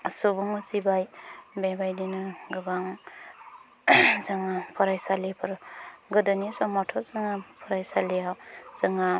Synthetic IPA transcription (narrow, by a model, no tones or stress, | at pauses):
subɔŋɯzibajbebajdinɯɡɯɡaŋ | zaŋapʰɔɾajsalepʰɯɾɡɯdanisɔmɔtʰɔzaŋapʰɔɾajsalejawz̥aŋa